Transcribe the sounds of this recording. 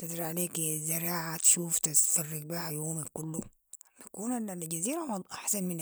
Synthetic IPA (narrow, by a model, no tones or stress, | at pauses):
t̪ɪd̪ɾiʕaleːkzaɾaːʕat̪ʃuːft̪ɪsɑrːɪk̚biːhajoːmikʊlːu | bakuːnanalɟaziːɾamʔaħsanmɪna